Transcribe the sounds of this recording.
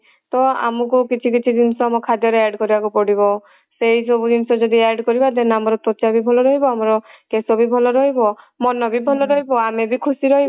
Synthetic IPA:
t̪ɔa̰mɔk̬ukit͡ʃʰikit͡ʃʰid̪inɔsɔamɔkʰad̪jɔɾeaɾɖkɔɾibakupɔɽibɔ | sejsɔbud̪inɔsɔd͡ʒɔd̪iaɾɖkɔɾibad̪enamɔɾɔt̪ɔt͡ʃabibʱɔlɔɾɔɦibɔamɔɾɔkesɔbibʱɔlɔɾɔɦibɔ | mɔnɔbibʱɔlɔɾɔɦibɔamebikʰusiɾɔɦib

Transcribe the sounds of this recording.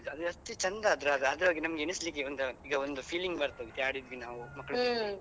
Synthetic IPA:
ɐd̪ɐst̪it͡ʃɐnd̪ɐːd̪ɾuɐd̪ɐd̪ɐːɡinɐmɐɡeenislik̬ːiond̪uiːɡɐond̪upʰiːliŋɡbɐɾt̪oːɡit̪ijaːɽid̪ʋinaːʋumɐkːɐɭ

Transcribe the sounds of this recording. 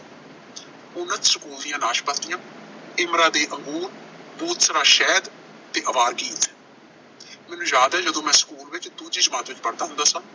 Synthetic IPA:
ʊnət̪səkuːld̪ijãːnaːʃpət̪ːɪjãːɪmɾaːd̪eːʔəŋɡuːɾbuːt̪səɾaːʃɛːd̪ | t̪eːʔəʋaːɾɡiːt̪ | mɛːnũːjaːd̪ɦɛːd͡ʒəd̪õːmɛ̃ːsə̥kuːlʋɪt͡ʃd̪uːd͡ʒiːd͡ʒəmãːt̪ʋɪt͡ʃpəɾd̪aːɦʊ̃nd̪aːsãː

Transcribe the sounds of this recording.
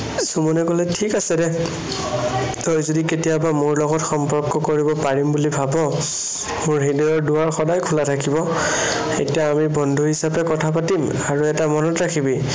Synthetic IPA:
sumɔnɛkɔlɛtʰikasɛdɛ | tɔjzodiketijabamʊɹlɔɡɔtxɔmpɔɹkɔkoɹibɔpaɹimbulibʱabɔ | mʊɹɦidɔɔɹduaɹxɔdajkʰulatʰakibɔ | etijaːmibɔndʱuɦisapɛkɔtʰapatim | aɹuɛtamɔnɔtɹakʰibi

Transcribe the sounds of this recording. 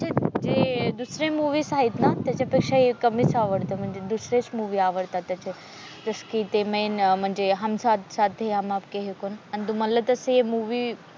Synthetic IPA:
t͡ʃʰed͡ʑed̪usɾẽmuːʋisaːɦit̪nat̪ɐt͡ɕapekʂaekɐmisaːʋəɽt̪am̤ə̃ɳd͡zed̪usɾet͡smuːʋiaːʋəɽt̪at̪ɐt͡ɕʰe | d͡ʒɐskit̪emẽjnm̤ə̃ɳd͡zeɦɐmsat̪saːt̪ʰeɦɐmaːpkeɦekonɐnt̪umɐləb̚t̪ɐseemuːʋi

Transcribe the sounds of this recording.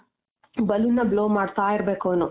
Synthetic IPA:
bɐlunːɐbloːmaːɖt̪aːjiɾbe̞ːkoːnu

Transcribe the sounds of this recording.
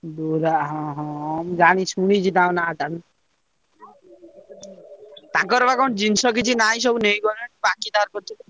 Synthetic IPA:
d̪uɾaɦɔ̃ɦɔ̃md͡ʒanit͡ʃʰuɽ̃it͡ʃʰit̪ãw̃nat̪an | t̪ãkɔɾbakɔnd͡ʒinsɔkit͡ʃʰinajs̬ɔbunejkɔɾaʈibakid̪ʱaɾpɔt̪ʰi

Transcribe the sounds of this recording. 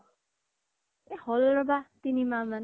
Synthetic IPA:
ehɔlɾɔbat̪inimaman

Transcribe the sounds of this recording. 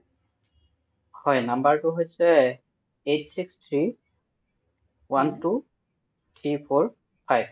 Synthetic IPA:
hɔjnambaɹtʊɦojsɛ | etsikst̪ʰɹi | wantu | t̪ʰɹipʰoɹ | pʰajb

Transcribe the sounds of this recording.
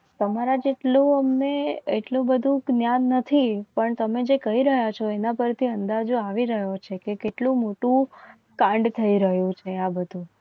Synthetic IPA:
t̪əmaɾad͡ʒeʈlũəmneeʈlũbəd̪ʱũɡnjanːət̪ʰipəɳt̪əmed͡ʒekəiɾəɦjat͡ʃʰoenapəɾt̪ʰiənd̪ad͡ʒoaʋiɾəɦjot͡ʃʰekekeʈlũmoʈũ | kãɳɖt̪ʰəiɾəɦjũt͡ʃʰeabəd̪ʱũ

